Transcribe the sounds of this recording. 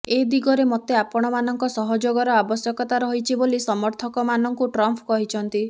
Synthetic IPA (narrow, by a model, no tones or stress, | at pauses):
ed̪iɡɔɾemɔt̪eapɔɽ̃ɔmanɔŋkɔsɔɦɔd͡ʒoɡɔɾɔabɔsjɔkɔt̪aɾɔɦit͡ʃʰibolisɔmɔɾt̪ʰɔkɔmanɔŋkuʈɾɔmpʰkɔɦit͡ʃʰɔnt̪i